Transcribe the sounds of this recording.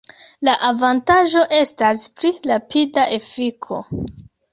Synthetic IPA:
laʔavantaʒo̞ʔe̞staspɾiɾapidaʔe̞fikʰo̞̰

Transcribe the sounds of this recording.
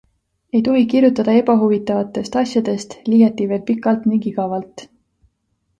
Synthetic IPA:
e̞jt̪o̞ɦikirjut̪ːˑɑd̪̥ɑe̞bɑɦuvit̪ːˑɑvɑt̪ːˑe̞st̪ɑsʲjɑd̪̥e̞st̪liːjɑt̪ːˑive̞ːlpikːˑɑlt̪niŋkiɡɑvɑlt̪ˑ

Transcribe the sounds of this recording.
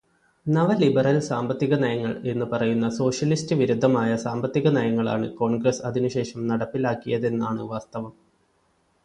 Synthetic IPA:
nɐʋɐlibɐrɐlsaːmbɐt̪ːiɣɐnɐjɐŋːɐɭe̞nːɨpɐrɐjunːɐso̞ːʂjɐlistɨʋiɾud̪ʱːɐmaːjɐsaːmbɐt̪ːiɣɐnɐjɐŋːɐɭa̰ːɳɨ̰ko̞ːɳɡrɐsɐðinuɕe̞ːʂɐmnɐɽɐpːilaːkːijɐðe̞nːaːɳɨʋaːst̪ɐʋɐm

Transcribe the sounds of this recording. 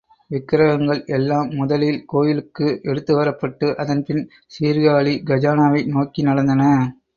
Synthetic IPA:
ʋɪkːɪɾɐɣɐŋɡɐɭɛlːaːmːʊðɐlɪlkoːjɪlɯkːɯʔɛɽɯt̪ːɯʋɐɾɐpːɐʈːɯʔɐðɐnpɪn | siːɾɡaːɭiɡɐd͡ʒaːnaːʋɐɪnoːkinɐɽɐnd̪ɐnɐ

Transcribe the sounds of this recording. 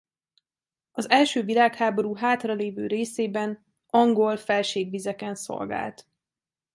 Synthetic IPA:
ɒzɛlʃøːvilaːkhaːbo̞ɾuːɦaːt̪rɒleːvø̰ːɾeːseːbɛn | ɒŋɡo̞lfɛlʃeːɡʋizɛkɛnso̞̰lɡa̰ːlt̪

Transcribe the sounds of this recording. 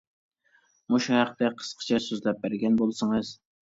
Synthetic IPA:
moʃuhæqt̪ɛqʰə̥sqʰə̥t͡ʃʰɛsøzlɛp̚bæɾɡʲɛnbolˠsɨŋɨz̥

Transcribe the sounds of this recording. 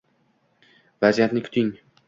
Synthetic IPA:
vazijat̪nɪkʰʊ̥t̪ɪŋ

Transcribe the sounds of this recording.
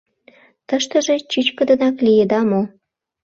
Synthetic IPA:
t̪əʃt̪ə̆ʒet͡ɕyt͡ɕkə̆d̪ə̆nɑklijed̪ɑmo

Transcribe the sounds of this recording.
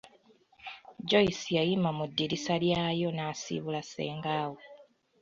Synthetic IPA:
ɟo̞isijajimamudːiɾisaljaːjo̞naːsḭβulase̞̰ːŋɡaːwo

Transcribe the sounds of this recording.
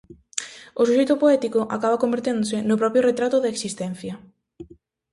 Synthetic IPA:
osuʃejt̪opoɛt̪ikoʔakaβakombeɾt̪end̪osɪnʊpɾɔpɾjoret̪ɾat̪oðeːksist̪ɛn̟θjɐ

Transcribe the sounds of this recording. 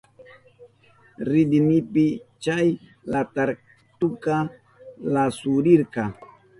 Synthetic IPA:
ɾidinipit͡ʃaj | lat̪aɾ | t̪uka | lasuɾiɾka

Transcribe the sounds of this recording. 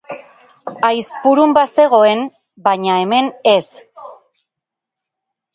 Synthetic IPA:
ajspuɾumbase̞ɣ̞o̞e̞n | bajɲae̞me̞ne̞s

